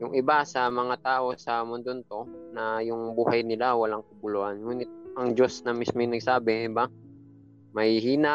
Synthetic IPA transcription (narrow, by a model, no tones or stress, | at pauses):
jʊŋʔɪbasɐmɐŋat̪aːʔo̞sɐmʊnd̪ont̪o̞nɐjʊŋbuːhɐjnɪlawɐlaŋkɐbʊloʔanŋuːnɪt̪̚ɐŋd͡ʒo̞snɐmismojnɐɡ̚saːbɪŋɪba | mɐhɪɦiːna